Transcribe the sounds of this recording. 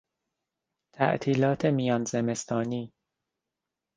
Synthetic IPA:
t̪ʰæ̰ʔt̪ʰiːlɒːt̪ʰemijɒːnzeme̞st̪ʰɒːniː

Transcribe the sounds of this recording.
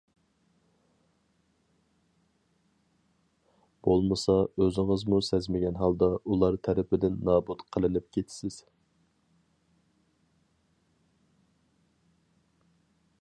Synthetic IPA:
b̥olˠmɨsɑøzɪŋəzmusɛzmɪɡʲɛnɦɑlˠd̪ɑʔulˠɑɾt̪ʰæɾɪpɪd̪ɪnːɑːbut̪qʰəlˠɨnɪp̚kʲʰet̪ʰsɪz̥

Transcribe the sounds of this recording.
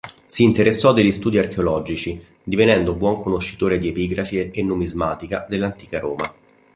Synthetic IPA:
siːnt̪eɾesːɔd̪eʎːist̪uːd̪iarkeolɔd͡ʒit͡ʃi | d̪ivenɛnd̪obwɔŋkonoʃːit̪oːɾed̪iepiɡɾafieenːumizmaːt̪ikad̪elːant̪iːkaɾoːma

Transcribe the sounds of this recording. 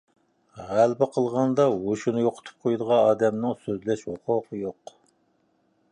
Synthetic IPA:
ʁælbɪqʰəlˠʁɑnd̪ɑwoʃunɨjoqʰʊ̥t̪ʰu̥p̚qʰojd̪əʁɑɑːd̪ɛmnɪŋsøzlɛʃhoqʰʊqʰəjoq

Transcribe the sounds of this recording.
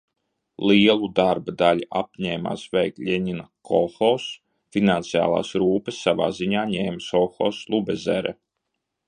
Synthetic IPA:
lˠiɛlˠud̪aɾbad̪alʲiap̚ɲɛːma̰ːsvɛjklʲɛɲinakʰɔxɔws | finant̪sija̰ːlˠa̰ːsɾuːpɨsːava̰ːziɲaːɲɛːmsɔxɔslˠubɛzɛ̰ɾɛ̰

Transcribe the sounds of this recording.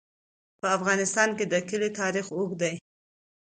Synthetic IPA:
pəafɣɑnɪst̪ɑnked̪əkəlit̪ɑɾixoɡd̪aj

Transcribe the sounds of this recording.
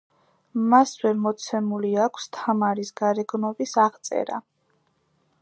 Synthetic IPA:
masvɛɾmɔt̪sʰɛmuliakʷʰst̪ʰamaɾisɡaɾɛɡnɔbisaʁt̪sʼɛ̰ɾa̰

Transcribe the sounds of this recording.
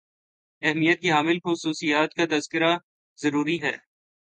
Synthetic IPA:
ɛɦmijət̪̚kiɦaːmɪlxʊsuːsijaːt̪̚kat̪ɐzkɪɾa | zɐɾuːɾiɦɛ̰ː

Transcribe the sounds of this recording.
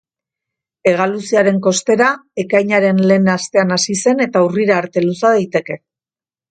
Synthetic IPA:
e̞ɣ̞alusiaɾe̞ŋko̞st̪e̞ɾae̞kajɲaɾe̞nle̞ːnast̪e̞anasise̞ne̞t̪auriɾaːɾt̪e̞lusaðajt̪e̞ke̞

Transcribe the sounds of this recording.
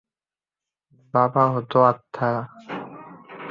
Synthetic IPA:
babaɦot̪oat̪ʰːaɾa

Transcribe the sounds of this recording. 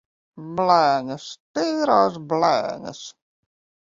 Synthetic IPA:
blaːŋəst̪eːɾaːzbla̰ːŋə̰s

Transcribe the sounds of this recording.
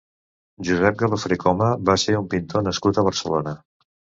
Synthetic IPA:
ʒuzɛp̚ɡələfɾikɔməβaseumpint̪ʰonəskut̪əβ̞əɾsəlo̰nə

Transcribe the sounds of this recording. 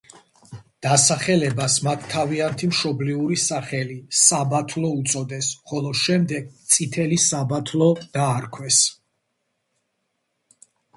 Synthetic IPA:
d̪̥asaχɛlɛbasmat̪ʰːaviant̪ʰimʃɔbliuɾisaχɛlisabat̪ʰlˠɔut̪sʼɔd̪ɛsχɔlˠɔʃɛmd̪ɛɡ̚t̪sʼit̪ʰɛlisabat̪ʰlˠɔd̪̥aːɾkʰwɛs

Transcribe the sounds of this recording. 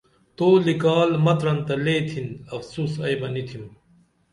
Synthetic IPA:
t̪oːlikaːlmɐt̪ɾɐnt̪ɐleːt̪ʰinɐfsuːsɐjbɐnit̪ʰim

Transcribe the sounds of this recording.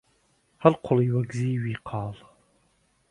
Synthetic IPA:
halqʷʰʊliwaɡziːwiqʰɑːl

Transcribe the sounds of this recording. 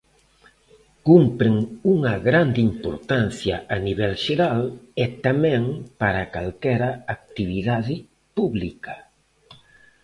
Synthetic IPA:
kumpɾeŋuŋaɣɾand̪impo̰ɾt̪anθjaʔaniβɛlʒeɾalet̪amɛ̃ŋpaɾakalkɛɾaːk̚t̪iβiðaði | puβlika

